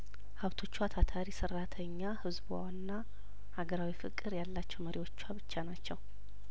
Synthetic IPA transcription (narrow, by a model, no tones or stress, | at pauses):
haβt̪ʰo̞t͡ʃːuat̪ʰat̪ʰaɾisɨrːat̪ʰəɲːahɨzbua̰wnːa | haɡəɾawifɨkʼːɨɾjalːat͡ʃːɛwməɾiwo̞t͡ʃːuaβɨt͡ʃːanat͡ʃːɛw